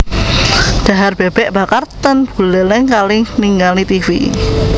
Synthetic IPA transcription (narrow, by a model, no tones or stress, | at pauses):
d̪̥a̤ɦarb̥eb̥ɛʔb̥akart̪ənb̥ṳlɛlɪŋkalɪŋniŋɡalit̪ifḭ